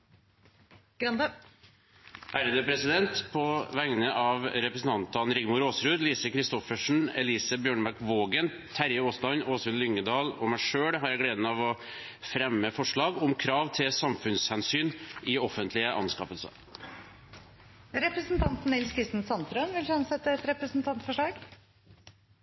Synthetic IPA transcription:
ɡ̥ɾɑnd̪ə | ʔæːɾəd̪əpɾɛsɪd̪ɛnt̪pʰɔʋæŋnəʔɑʋɾɛpɾəsn̩t̪ɑnt̪ɑnɾɪɡmʊɾoːsɾʉːd̪liːsəkʰɾɪst̪ɔfəʂɳ̩ɛ̰liːsəbjøːɳbɑɾkʋoːɡən | t̪ʰæɾjəoːslɑnoːsʉnlʏŋːəd̪ɑːlɔ̰mæɪʂøːɽɦɑɾjæɪɡleːd̪nɑʋɔ | fɾɛmːəfɔʂɭɑːɡɔmkʰɾɑːʋt̪ʰɪlsɑmfʉnshɛnsyːnɪɔfənt̪lɪəʔɑ̰nskɑːpəlsə̰ | ɾɛpɾəsnt̪ʰɑnt̪n̩ːɪlskʰɾɪst̪ənsɑnt̪ɾœnʋɪlsɑnsɛt̪ːəɛt̪ɾɛpɾəsn̩t̪ʰɑnt̪fɔʂɭɑːɡ

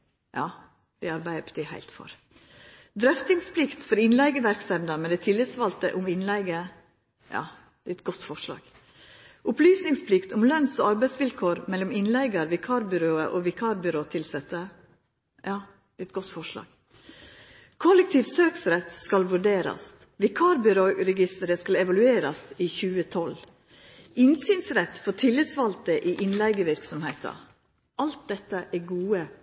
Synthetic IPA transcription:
jʔɑː | d̪̥ɛɑɾbæɪpʰɔ̥t̪ʰɪhæ̰ɪlt̪fɔ̰ɾ | d̪ɾœft̪ɪŋspʰlɪkt̪fɔɾɪnlæɪɡəʋæɾksɛmd̪ɑmɛd̪ɛt̪ʰɪlːɪsʋɑlt̪ə̰ʔʊmɪnlæɪɡə | jɑ̰ː | d̪̥ɛɛt̪̚ɡɔt̪ːfɔʂɑ̰ːɡ̥ | ʔʊplyːsnɪŋspʰlɪkt̪ʊmlœnsoːɑɾbæɪsʋɪlkʰoːɾmɛlːɔmɪnlæɪɡəɾʋɪkʰɑːɾbʏɾoːə̰ʔoːʋɪkʰɑːɾbʏɾoːt̪ʰɪlsɛt̪ːə | jɑː | ɛt̪̚ɡ̥ɔt̪ːfɔʂlɑ̰ːɡ̥ | kʰɔlɛk̚t̪ʰiːʋsøːksɾɛt̪skɑlʋʉɖeːɾɑ̰s | ʋɪkʰɑːɾbʏɾoːɾɛɡɪst̪əɾəskɑlɛʋɑlʉeːɾɑsiːçʉːət̪ʰɔl | ɪnsyːnsɾɛt̪fɔʈʰɪlːəsʋɑlt̪əʔiʔɪnlæɪɡəʋɪɾksɔmheɪt̪ʰɑ̰ | ʔɑlt̪̚d̪ɛt̪ːəʔɛɡuːə

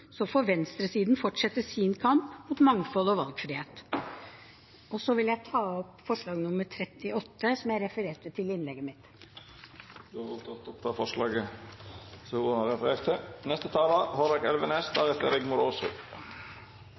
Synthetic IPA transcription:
sɔfɔʋɛnst̪ɾəsiːd̪nfɔʈʂɛt̪ːəsinkʰɑmpmʊːt̪mɑŋfɔlɔʋɑlɡfɾiːheːt̪ | ɔsɔʋɪljæɪt̪ʰɑːɔpfɔʂɭɑːɡnʊməɾʈʰɾɛt̪ːɪɔt̪ːəsɔmjæɾɛfəɾeːʈət̪ʰɪlɪnlɛɡːəmɪt̪ | d̪ʉɑʋɔt̪ʰɔt̪ɔpt̪ʰɑfɔʂɭɑːɡə | sɔhuːɑnɑɾɛfəɾeɾt̪ʰənɛst̪ət̪ʰɑːlɑhɔɾɑkɛlʋəneːsd̪ɑɾɛt̪ə̰ɾɛɡmʊɾoːsʊ̰

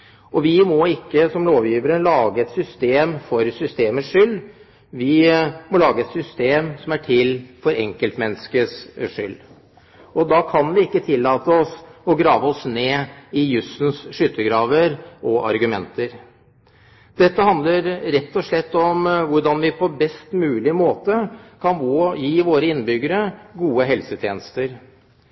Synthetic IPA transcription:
ɔʋɪmɔɪkːəsɔmloːʋjiːʋəɾənlɑːɡəɛt̪sʏst̪eːmfɔɾsʏst̪eːməʂʏlː | ʋɪmɔlɑːɡəɛt̪sʏst̪eːmsɔmæʈʰɪlːfɔɾɛŋkəlt̪mɛnːəskəsʂʏlː | ɔd̪ɑkʰɑnʋɪɪkːət̪ʰɪlːɑːt̪əɔsɔɡɾɑːʋəɔsneːɪjʉsn̩sʂʏt̪ːəɡɾɑːʋəɾʔɔʔɑ̰ɾɡʉmɛnt̪əɾ | d̪ɛt̪ːəhɑnd̪ləɾɾɛt̪ːɔʂɭɛt̪ːɔmʋʊɖɑnʋɪpʰɔbɛst̪mʉːlɪmoːt̪əkʰɑnʋojiːʋoːɾəɪnːbʏɡːəɾəɡuːəɦɛlsət̪ʰjeːnəst̪əɾ

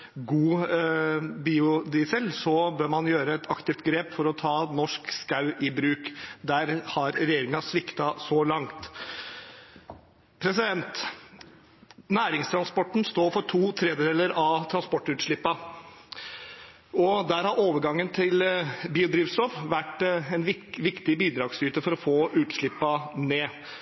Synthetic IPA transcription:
ɡuː | biːʊd̪ɪsɛlsɔbøːɾmɑnjøːɾəɛt̪ɑkt̪ɪft̪ɡɾeːpfɔɾɔt̪ʰɑːnɔʂkskɑʉʔɪbɾʉːkd̪æɾhɑɾɾɛjeːɾɪŋɑsʋɪkt̪ɑsɔlɑŋt̪ | pʰɾɛsɪd̪ɛnt̪ | næːɾɪŋst̪ʰɾɑnspɔʈːɳ̩st̪oːfɔʈʰuːt̪ʰɾɛːd̪əd̪eːləɾɑʋt̪ʰɾɑnspɔʈːʉːt̪ʂɭɪpːɑ | ɔd̪æɾhɑɾoːʋəɾɡɑŋːənt̪ʰɪlbiːʊd̪ɾiːʋsɔfʋæʈːɛnʋɪʋɪkt̪ɪbiːd̪ɾɑːɡsyːt̪əfɔɾɔfoːʔʉːt̪ʂɭɪpːɑneː

